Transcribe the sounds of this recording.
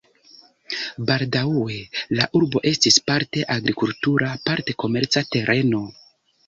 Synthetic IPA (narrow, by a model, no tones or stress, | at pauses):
baldauwe̞laʔuɾbo̞ʔe̞stispaɾte̞ʔaɡɾikultuɾʔapaɾte̞ko̞me̞ɾt͡sate̞ɾʔe̞no̞